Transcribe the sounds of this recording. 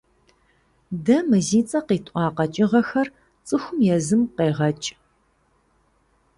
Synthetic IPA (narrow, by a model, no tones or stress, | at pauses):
dɐmɨziːt͡sʼɐqiːtʷʼʔʷʼɑːqɐt͡ʃʼɪʁɐxɐr | t͡sʼɨxʷʊmjɛzɨmqeːʁɐt͡ʃʼ